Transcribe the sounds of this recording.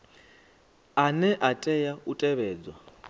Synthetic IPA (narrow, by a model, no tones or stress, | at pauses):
anɛʔatʼɛjautʼɛβɛːd͡zwa